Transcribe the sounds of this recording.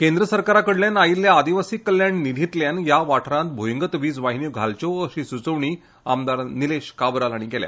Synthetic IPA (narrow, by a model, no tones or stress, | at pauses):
kend̪ɾəsəɾkaɾakəɽljãnailːjaːd̪iʋasikːəljaɳnid̪ʱit̪ljanjaʋaʈʰɾãnt̪̚bʱojuŋɡət̪ʋiːd͡zʋaɦinjuɡʱalt͡ɕoəɕisut͡səʋɳiː | a̰md̪aɾnileɕkabɾalaɽ̃ikɛlja̰